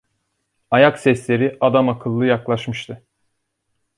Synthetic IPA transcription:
ajaksɛslʲe̞ɾiʔad̪amakʰɯlˠːɯjaklˠaʃmɯʃt̪ʰɯ

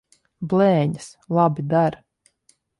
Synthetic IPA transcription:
blɛːɲɨslˠabid̪aɾ

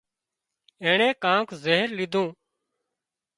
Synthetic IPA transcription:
eːɳẽːkãːkzeːɦɾlɪd̪ʱũː

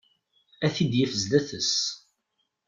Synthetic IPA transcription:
æθid̪jəfəzlæθəs

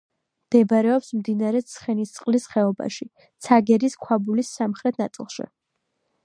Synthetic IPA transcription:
md̪̥ɛbɾɛɔpsmd̪inaɾɛt̪sʰχɛnist̪sʼqʼlisχɛɔba̰ʃi | t̪sʰaɡɛɾiskʰwabulisːamχɾɛt̪ʰnat̪sʼḭlˠʃḭ

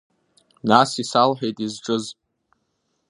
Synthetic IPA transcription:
nasisalħᶣejtʼizʈ͡ʂʼɨz

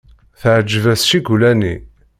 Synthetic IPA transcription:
θəʕd͡ʒːəvæsʃiɡulænḭ

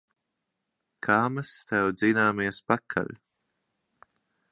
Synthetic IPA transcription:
kʰaːmɨst̪ɛwd̪zinaːmiɛspakʰːa̰l

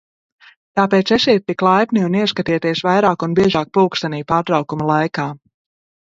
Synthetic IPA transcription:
t̪aːpeːt̪sɛsiːt̪ːiklˠajpniuniɛskat̪iɛt̪iɛsvajɾaːkunbiɛʒaːk̚puːkst̪aniːpaːɾt̪ɾawkumɐlˠajkaː

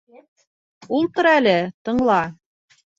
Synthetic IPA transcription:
ulˠt̪ŏɾɑælɘt̪ɤ̆ɴlˠɑ

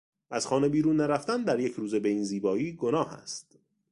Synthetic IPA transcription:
ʔæz̥xɒːne̞biːɾuːnːæɾæft̪ænd̪æɾjecʰɾuːze̞be̞iːnziːbɒːiːɡo̞nɒːhæ̰st̪

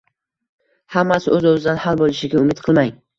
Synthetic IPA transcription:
hamːasɪɵzozɪd̪anhalˠbolˠɪʃɪɡʲaʊmɪt̪̚qʰɨlˠmaj

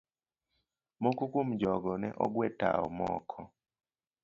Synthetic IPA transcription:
mɔkukumd͡ʒɔɡɔnɛʔɔ̰ɡwɛta̰ɔ̰mɔ̰kʰɔ

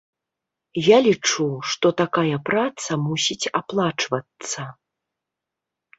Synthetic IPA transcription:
jalʲit͡ʂuʂt̪ɔt̪akajɐpɾat̪sɐmusʲit͡sʲaplˠat͡ʂvɐt̪sɐ

